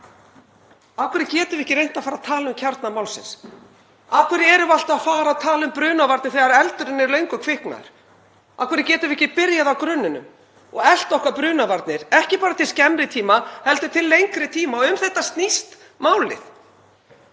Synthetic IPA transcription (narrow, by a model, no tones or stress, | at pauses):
awkʰvɛɾɪcɛːt̪ʏvɪɪhcɪɾejn̥t̪afaːɾaðt̪ʰaːlaʏmcʰaɾt̪namaːwlsɪ̰ns | awkʰvɛɾɪɛɾʏval̥t̪aðfaːɾaðt̪ʰaːlʏmpɾʏːnavaɾt̪nɪθɛɣaɾɛlt̪ʏɾɪnːɪɾlœɥŋkʏkʰv̥ɪhkna̰ɾ̥ | a̰kʰvɛɾɪcɛːt̪ʏɾvɪɛhcɪpɪɾjaðawkɾʏnːʏnʏ̰m | ɔɣɛl̥t̪ɔhkapɾʏːnavaɾt̪nɪɾ̥ɛhcɪpaːɾat̪ʰɪlscɛmɾɪt̪ʰiːmahɛlt̪ʏt̪ʰɪlːejŋkɾɪt̪ʰiːmaɔʏmθɛht̪ast̪nist̪ | maːwlɪ̰θ